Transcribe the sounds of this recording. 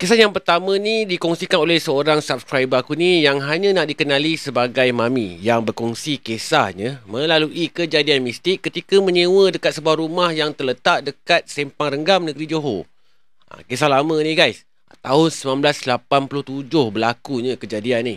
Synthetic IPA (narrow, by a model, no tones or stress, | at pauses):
kesajaŋpərt̪amə̃nidikɔŋsikanolɛhsəoɾaŋsap̚skɾajbakunijaŋɦaɲãnaʔdikənalisəbaɡajmãmḭjaŋbərkɔŋsikesahɲə̃mə̃laluʔikəd͡ʒadianmist̪ɪkːət̪ikamə̃ɲewədəkat̪̚səbuahɾumahjaŋt̪ərlət̪aʔ̚dəkat̪̚sempaŋrəŋɡamnə̃ɡɾid͡ʒoɦo | a̰kes̬ahlamə̃nihɡajs | t̪aɦʊnsəmãmblaslapanpulʊht̪ud͡ʒʊhbəlakuɲəkəd͡ʒadianih